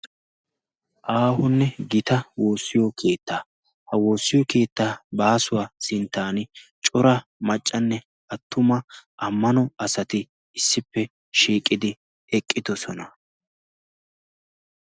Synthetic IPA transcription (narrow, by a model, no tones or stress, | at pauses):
ʔaːhʊnːɛɡɪt̪ɐwo̞ːsːɪjɔkʰe̞ːt̪ːaː | hɐwo̞ːsːɪjɔke̞ːt̪ːaːbaːsʊwaːsɪnt̪ːaːnɪt͡ʃʼʊɾɐmɐt͡ʃʼːɐnːɛ | ɐt̪ːʊmɐʔɐmːɐnɔɐsɐt̪ɪ | ɪsːɪpːɛ | ʃiːkʼːɪd̪ɪ | ɛkʼːɪd̪ɔsɔnɐ